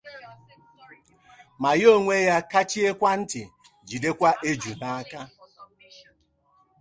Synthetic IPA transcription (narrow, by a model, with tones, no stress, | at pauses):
ma˨jo˦˨ŋʷe˦ja˦ka˦t͡ʃi˦e˦kʷa˦n̩˦tɪ̰˨ | d͡ʒi˨de˦kʷa˦ʔe˦d͡ʒu˨na˦a˦ka˦